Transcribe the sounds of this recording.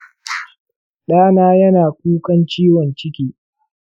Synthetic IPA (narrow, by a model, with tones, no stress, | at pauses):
ɗaː˦naː˦jɐ˦naː˨k̚ʷuː˦kɐ˦nt͡ʃiː˦wɔ˨nt͡ʃɪ˦kʲiː˦